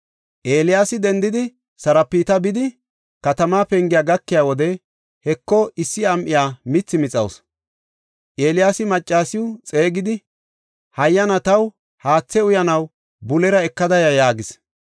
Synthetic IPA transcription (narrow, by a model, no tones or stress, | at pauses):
ʔeːlɪjaːsɪd̪ɛnd̪ɪd̪ɪ | sɐɾɐpːiːt̪ɐbɪd̪ɪ | kɐt̪ɐmaːpɛŋɡɪjaːɡɐkːɪjaːwɔd̪ɛ | hɛkːɔɪsːɪɐmʔɪjaːmɪt͡sːɪmɪt͡sʼɐ̰ws | ʔeːlɪjaːsɪmɐt͡ʃʼːaːsɪʊt͡sʼe̞ːɡɪd̪ɪ | hɐjːɐnɐt̪ɐw | haːt͡sːɛʊjɐnɐw | bʊlɛɾɐɛkːɐd̪ɐjɐjaːɡɪs